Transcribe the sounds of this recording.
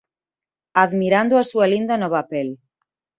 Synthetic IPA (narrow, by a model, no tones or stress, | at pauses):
aðmiɾand̪oasualind̪anoβapel